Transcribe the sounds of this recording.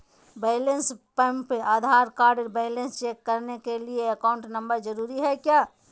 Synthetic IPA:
beɪlenspɛ̃mpeʔaːd̪ʱaːɾkaːɾɖəɾbeɪlə̃nst͡ʃeːkːəɾnekelieɐkaʊ̃ɳʈnə̃mbəɾd͡ʒəɾuːɾiɦɛkjaː

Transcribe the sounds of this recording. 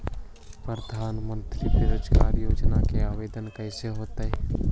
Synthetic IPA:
pɾəd̪ʱaːnmə̃nt̪ɾid̪eɾoːd͡ʒkaːɾjoːd͡ʒnakeaːʋeːd̪ənkəɪseɦoːt̪aɦɛː

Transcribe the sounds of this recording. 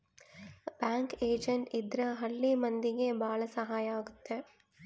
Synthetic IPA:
baːŋkeːd͡ʒɐɳʈid̪ɾɐɦɐɭːimɐnd̪iɡebaːɭɐsɐɦaːjɐaːɡut̪ːe

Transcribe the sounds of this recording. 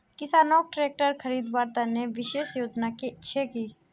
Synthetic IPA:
kɪsaːnɔːk̚ʈɾeːk̚ʈəɾkʰəɾiːd̪baːɾt̪aneʋɪʃeːʃjoːd͡ʒnakiɪtːʃʰekiː

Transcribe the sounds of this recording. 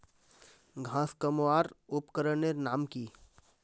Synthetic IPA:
ɡʱãːskəmaːɾʊpkəɾənenaːmkiː

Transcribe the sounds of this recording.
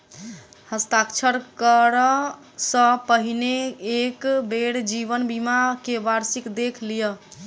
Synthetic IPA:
həst̪akt͡ʃʰəɾkəɾə | sə̃pəɦineːkbeɽd͡ʒiβənbimakebaɾsikd̪ekʰlijə

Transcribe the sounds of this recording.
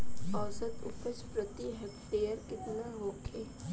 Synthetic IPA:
ɔːsət̪ʊpət͡ʃpɾət̪iɦɛkʈeːjəɾkɪt̪naɦoːkʰeː

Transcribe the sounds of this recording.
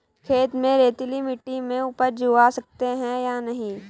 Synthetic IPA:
kʰeːt̪mẽɾeːt̪limɪʈːimẽʊpəɾd͡ʒuːasɐk̚t̪eɦɛ̃janɐɦĩː

